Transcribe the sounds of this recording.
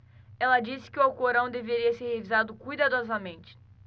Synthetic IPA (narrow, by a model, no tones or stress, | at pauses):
ɛlɐd͡ʒisɪ̥kɪʊwawkoɾɐ̃w̃d̪eveɾiɐseɾhevizad̪ʊkujd̪ad̪ɔzɐmẽnt͡ʃɪ̥